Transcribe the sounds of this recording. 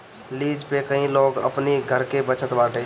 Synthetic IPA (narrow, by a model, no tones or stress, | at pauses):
liːd͡ʒpekɐɦĩloːɡə̰pniɡʱəɾkebət͡ʃət̪baːʈẽ